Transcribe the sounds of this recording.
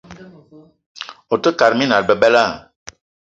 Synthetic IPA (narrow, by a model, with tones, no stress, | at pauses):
o˨tə˦ka˨ɾmi˦na˨ɾbə˨bɛ˦la˦˨